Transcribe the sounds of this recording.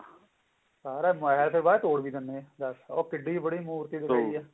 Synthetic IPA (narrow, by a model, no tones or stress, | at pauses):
saːɾɛːmʊɛɦlpʰɪɾbaːet̪oːɽbiːd̪ənd̪ed̪əsoːkɪɖːiːbəɽiːmuːɾt̪iːd̪ɪkaːiɛː